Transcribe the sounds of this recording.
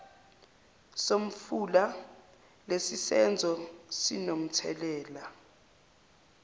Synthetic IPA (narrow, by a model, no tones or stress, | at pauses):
som̩fula | lesisɛnd͡zʱɔsinom̩tʰɛ̰lɛːla